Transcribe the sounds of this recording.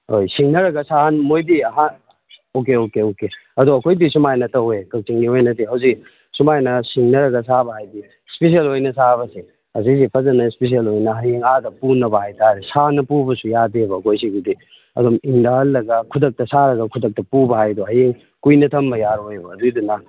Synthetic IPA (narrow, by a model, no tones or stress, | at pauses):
hojsiŋnɐɾɐɡɐsanmojdiɐɦan | okeokeokeɐduɐkʰojdisumajnɐtɐwekɐk̚t͡ʃiŋɡiojnɐdiɦɐwzik | sumajnɐsiŋnɐɾɐɡɐsabɐhajdi | spes̬ielojnɐsaβɐsi | ɐsis̬ipʰɐzɐnɐispes̬ielojnɐɦɐjeŋadɐpunɐbɐɦajtʰaɾesanɐpubɐsujadebɐːkʰojsiɡidi | ɐ̰dumiŋdɐhɐlːɐɡɐkʰudɐk̚tɐsaɾɐɡɐkʰudɐk̚tɐpubɐɦajdoɦɐjeŋ | kujnɐtʰɐmbɐjaɾojbɐːdudunɐ